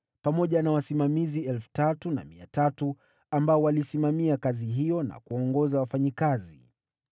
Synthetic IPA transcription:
pamɔʄanawasimamiziɛlfu̥tatuna̰miatatu | ambaɔwalisimamiakaziɦijɔna̰kuɔŋɡɔzawafaɲikazi

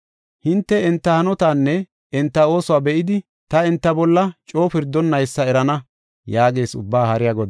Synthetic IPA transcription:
hɪnt̪ːɛɪnt̪ːɐhɐnɔt̪aːnːɛ | ɪnt̪ːɐo̞ːsʊwaːbɛʔɪd̪ɪ | t̪ɐɪnt̪ːɐbɔlːɐt͡ʃʼo̞ːpɪɾd̪ːɔnːɐjsːɐɛɾɐnɐ | jaːɡe̞ːsʊ̰bːaːhɐɾɪjaːɡɔd̪

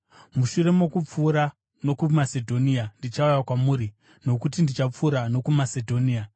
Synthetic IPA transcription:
muʃuɾe̞mokup͡fuːɾa | no̞kumase̞dʱo̞niandit͡ʃaujakwamuːɾi | no̞kutindit͡ʃap͡fuːɾano̞kumase̞dʱo̞nia

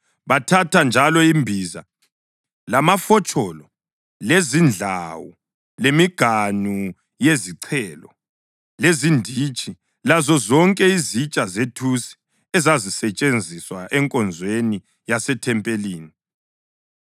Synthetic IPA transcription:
βatʰatʰand͡ʒʱalɔimbʱiza̰ | lamafɔt͡ʃʼɔlɔ | lezind͡ɮʱa̰wɔ̰ | lemiɡ̥ʱanu | jeziǀʰɛːlɔ̰ | lezindʱit͡ʃʼi | lazɔzɔŋkʼɛizit͡ʃʼazetʰusi̥ | ɛzazisɛt͡ʃʼend͡zʱiswaʔɛŋkʼɔnd͡zʱweni | jasɛtʰɛmpʼeliːni

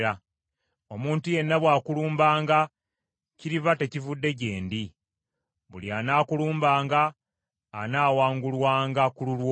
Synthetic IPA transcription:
a | o̞muːntuje̞nːaβwaːkuluːmbaːŋɡa | ciɾiβate̞civudːe̞c̬e̞ːndi | βṵljanaːkuluːmbaːŋɡaː | naːwaːŋɡulwaːŋɡakululwo

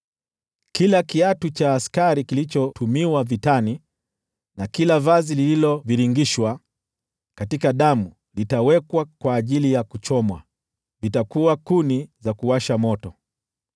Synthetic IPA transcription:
kilakiatut͡ʃaːskaɾikilit͡ʃɔtʰumiwavitani | nakilavazilililɔviɾiŋɡiʃwa | katikaɗamu | litawɛkwakwaːʄilijakut͡ʃɔmwa̰ | vitakuakunizakuwaʃamɔtɔ

